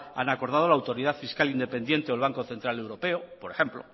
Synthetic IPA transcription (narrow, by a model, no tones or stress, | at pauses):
a̰nako̞ɾð̞að̞o̞laːwt̪o̞ɾiðaðfiskalind̪e̞pe̞nd̪je̞nt̪eolβ̞aŋko̞θe̞nt̪ɾale̞wɾo̞pe̞opoɾe̞xe̞mplo̞̰